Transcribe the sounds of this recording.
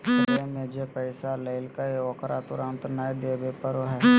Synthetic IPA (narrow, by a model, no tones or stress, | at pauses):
əemẽd͡ʒepəɪsaləɪlkaeɔkɾat̪ʊɾãːnt̪ɾnaːed̪eːbepəɾoɦɛː